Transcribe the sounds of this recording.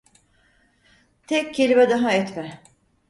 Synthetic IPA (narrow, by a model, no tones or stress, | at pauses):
t̪ʰɛc̚cʰːelʲibɛd̪aɦaɛt̪mɛ